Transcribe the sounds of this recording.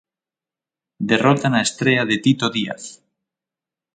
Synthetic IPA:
d̪erot̪anaest̪ɾeaðet̪it̪oðia̰θ

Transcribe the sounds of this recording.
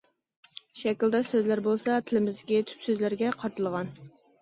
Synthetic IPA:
ʃɛkʲild̪ɑsøzlæɾbolˠsɑt̪ʰɪlɪmɪzd̪ɡʲɛt̪ʰy̥psøzlæɾɡʲɛqʰɑɾt̪ɨlˠəʁɑn

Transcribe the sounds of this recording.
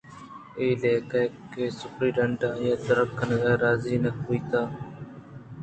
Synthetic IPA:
eːleːkaːkeːsʊpɾiːɖəɳɖaːjãːt̪əɾəkːənɣeːɾaːziːnəkoːiːt̪aː

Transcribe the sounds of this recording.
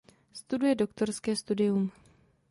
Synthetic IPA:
st̪udujɛdo̞kt̪o̞ɾskɛːst̪udɪjum

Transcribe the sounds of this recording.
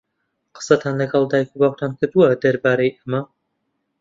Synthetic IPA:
qɨ̥sɐt̪ʰaːnlɐɡɐlˠd̪aːjkubaːwt̪ʰaːnkʰɨɾd̪uwɐd̪ɐɾbaːɾɐjʔɐmɐ

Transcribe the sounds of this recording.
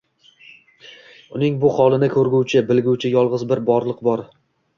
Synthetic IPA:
ʊnɪŋbʊχɒlˠɪnɪkʰɵɾɡʲʊwt͡ʃʰɪbɪlɡʲʊwt͡ʃʰɪjɒlˠʁɨzbɪɾbɒɾlˠɨqbɒɾ

